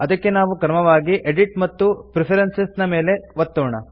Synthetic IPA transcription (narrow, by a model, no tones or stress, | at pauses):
ɐd̪ɐkːe̞naːʋukɐɾmɐʋaːɡiʔeɖiʈmɐt̪ːupɾipʰɐɾɐnsesnɐme̞ːle̞ʋɐt̪ːoːɳɐ̰